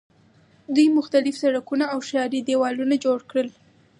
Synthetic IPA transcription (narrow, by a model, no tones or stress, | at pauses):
d̪ujmʊxt̪alɪfsaɽakunaawʃɑɾid̪ewɑlunad͡ʒoɽkɽəl